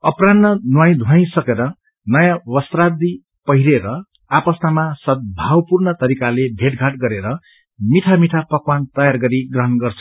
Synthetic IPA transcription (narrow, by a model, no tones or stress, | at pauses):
ʌpranːʌnuwaj̃d̪ʱuaj̃sʌkeɾʌ | nʌjãwʌst̪rad̪i | pʌɦiɾeɾʌ | apʌsnamasʌt̪̚bʱawpurnʌt̪ʌɾikalebʱeʈɡʱaʈɡʌɾeɾʌ | miʈʰamiʈʰapʌkwant̪ʌjarɡʌɾiɡrʌɦʌnɡʌrt͡sʰʌ̥